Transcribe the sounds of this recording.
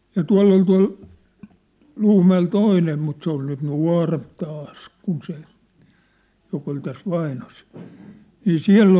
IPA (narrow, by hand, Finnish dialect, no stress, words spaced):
jɑ tuɑ̝lː ol tuɑ̝l l̥uːmæel toiˑnem mut se ol nyt nuɑ̝ˑremp tɑːs kun se jok ol tæs ʋɑinose̥l̥ niː siæ̝lː